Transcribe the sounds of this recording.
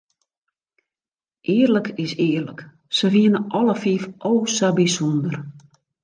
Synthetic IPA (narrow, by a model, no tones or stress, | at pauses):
ʔɪːərləkɪsɪːərlək | səʋiənəʔɔləfiːfʔowsabisondər